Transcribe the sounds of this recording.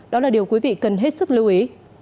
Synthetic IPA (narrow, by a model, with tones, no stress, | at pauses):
ɗɔ˨˦laː˨˩ɗi˨˩əwkwi˨˦vḭ˧˨kə˨˩nɦe˦˥t̚sɨ˦˥k̚li˧wʔi˨˦